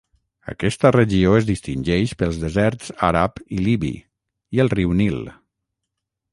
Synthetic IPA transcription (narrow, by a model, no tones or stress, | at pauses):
ə̰kɛst̪ərəʒioezðist̪inʲd͡ʒɛʃpəlˠzðəzɛɾt͡saɾapiliβḭ | iəlˠriwnilˠ